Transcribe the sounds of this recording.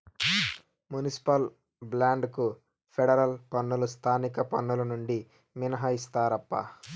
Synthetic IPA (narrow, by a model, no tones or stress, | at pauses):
munisi̥pɐl | blaːɳɖku | pʰeɽɐɾɐlpɐnːulust̪ʰaːnikɐpɐnːulɐnuɳɖi | minɐɦɐist̪aːɾɐpːɐ̰